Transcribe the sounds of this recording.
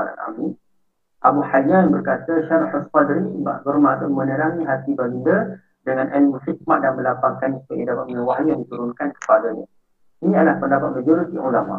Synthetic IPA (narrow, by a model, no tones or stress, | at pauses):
aɾa̰na̰mi | ʔabuħad͡ʒanbərkat̪əʃaɾat̪faspadəɾiiba̰ʔɡəɾmat̪əmə̃nəɾaŋiɦat̪ibaɡida | dəŋanʔɛlməxit̪̚maʔdanməlapaŋkansə̥paɡidapat̪̚məŋəwaɦjujaŋdit̪uɾunkankə̥paɡaɲa | inĩadəlahpəndapat̪̚mad͡ʒoɾit̪iʔulama̰